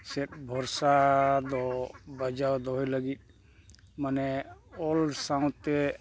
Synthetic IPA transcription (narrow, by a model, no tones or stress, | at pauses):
sɛt̪̚bʱɔɾsad̪ɔbad͡ʒawd̪ɔɦɔjləɡit̪̚ˀ | manɛɔlsaũt̪ɛ